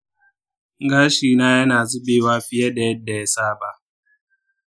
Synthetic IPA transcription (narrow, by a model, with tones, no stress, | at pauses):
ŋ˦ɡaː˦ʃiː˨na˦ja˦naː˨zi˦beː˦waː˦ɸɪ˦jɛ˦dɛ˨˦dɛ˨saː˦ba˦˨